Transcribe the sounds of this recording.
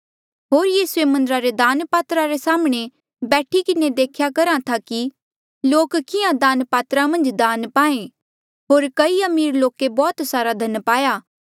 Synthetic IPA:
ɦoːɾjiːsuemɐ̃nd̪əɾaɾed̪aːnpaːt̪ɾaɾesaːmɽ̃e | bɛːʈʰikɪned̪eːkʰjakɐɾãt̪ʰaki | loːkkɪjãd̪aːnpaːt̪ɾamɐ̃nd͡ʒd̪aːnpaːẽ | ɦoːɾkɐiɐmiːɾloːkebɔːt̪saːɾad̪ʱɐnpaːjaː

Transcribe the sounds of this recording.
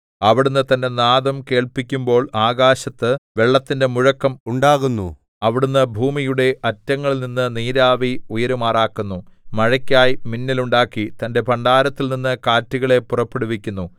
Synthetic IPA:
ɐʋiɽunːɨt̪ɐnde̞naːðɐmke̞ːɭpikʲːumbo̞ːɭaːɣaːɕɐt̪ːɨʋe̞ɭːɐt̪ːinde̞muɻɐkːɐmuɳɖaːɣunːṵ | ɐʋiɽunːɨbʱuːmijuɽe̞ʔɐtːɐŋːɐɭilninːɨniːɾaːʋiujɐɾumaːraːkːunːumɐɻɐkʲːaːjiminːiluɳɖaːkːit̪ɐnde̞pɐɳɖaːɾɐt̪ːilninːɨkaːtːiɣɐɭe̞purɐpːe̞ɽuʋikʲːunːu

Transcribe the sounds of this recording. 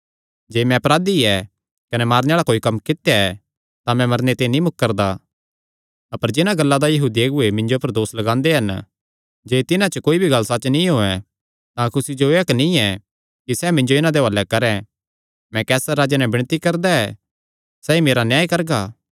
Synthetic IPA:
d͡ʒeːmɛ̃ɐpɾaːd̪iɛ | kɐnɛmaːɾneaːɭakoːikɐmkɪt̪jaɛ | t̪ãmɛ̃mɐɾnet̪ẽnĩmʊkkːɐɾd̪a | ɐpəɾd͡ʒɪnãɡɐlːad̪ajɐɦuːd̪ieːɡʊemɪ̃ɲd͡ʒopɐɾd̪oːslɐɡãːnd̪eɦɐn | d͡ʒeːt̪ɪnãt͡ʃəkoːibʱiɡɐlːsat͡ʃnĩɦoːɛ̃ | t̪ãkʊsid͡ʒoeːɐknĩɛ | kisɛːmɪ̃ɲd͡ʒoɪnãd̪eɦɐlːɛkɐɾɛ̃ | mɛ̃kɛːsaɾaːd͡ʒanɛ̃bɪɽ̃t̪ikɐɾd̪aɛ | sɛːimeːɾanjaːjkɐɾɡaː

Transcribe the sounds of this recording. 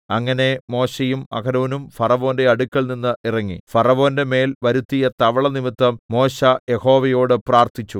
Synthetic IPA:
ɐŋːɐne̞mo̞ːɕejumɐ̰kɐɾoːnumfɐrɐʋo̞ːnde̞ɐɽukːɐɭninːɨʔirɐŋːifɐrɐʋo̞ːnde̞me̞ːlʋɐɾut̪ːijɐt̪ɐʋɐɭɐnimit̪ːɐmːo̞ːɕɐje̞ho̞ːʋɐjo̞ːɽɨpraːrt̪it͡ɕːu

